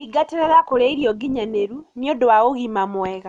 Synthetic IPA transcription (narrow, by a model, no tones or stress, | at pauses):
iɡateɾeɾakoɾeiɾjɔɡiɲaneɾunjodowaɣoɣimamwweɣa